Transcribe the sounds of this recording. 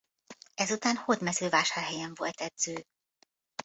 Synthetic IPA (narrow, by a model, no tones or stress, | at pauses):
ɛzut̪aːnhod̪mɛzøːvaːʃaːrɦɛjɛɱvo̞lt̪ɛd̪z̥øː